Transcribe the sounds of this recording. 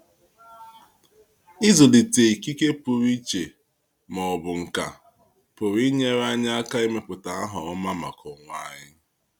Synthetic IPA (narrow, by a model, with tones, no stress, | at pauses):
ɪ˦zo˨dɪ˨te˨i˨ki˦ke˦pʊ˨ɾi˦t͡ʃe˨ | mɔ˨bʊ˨ŋ̩˨ka̰˨ | pʊ˨ɾi˦ɲe˦ɾa˦ɲa˦a˦ka˦e˦me˦k͡pʊ˨ta˨a˦ɦʊ˨ɔ˦ma˦ma̰˨kʰɔ˨ŋʷ˦a˦ɲɪ˦